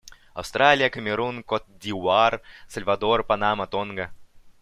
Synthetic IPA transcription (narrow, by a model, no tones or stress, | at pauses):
ɐ̰wst̪ɾalʲijəkəmʲeɾunkot̪̚d̪ʲiwarsɐlʲvad̪orpanamɐt̪onɡɐ